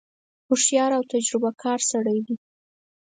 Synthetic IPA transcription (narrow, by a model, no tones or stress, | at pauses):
hʊʂjɑɾawt̪ad͡ʒɾɪbakʰɑɾsaɽajdi